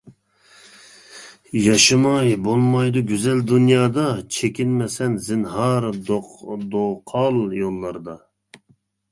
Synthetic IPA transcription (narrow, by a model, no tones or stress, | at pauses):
jɑʃɨmɑjbolˠmɑjd̪uɡʲyzɛld̪unjɑːd̪ɑt͡ʃʰekʲinmɛsɛnzɪnhɑɾd̪od̪oqʰɑlˠjolˠːɑɾd̪ɑ